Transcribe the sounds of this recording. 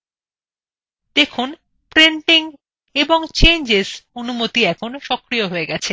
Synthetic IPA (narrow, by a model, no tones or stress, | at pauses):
d̪̥ekʰun | pɾeɳʈiŋ | eboŋt͡ɕend͡ʑesonumot̪iɛkʰonʃɔkɾioɦoeɡɛt͡ɕʰe